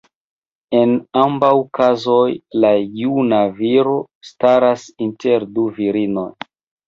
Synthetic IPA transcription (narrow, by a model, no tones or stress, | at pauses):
e̞nambawkazojlajunaviɾo̞ | staɾasinte̞ɾduviɾino̞̰j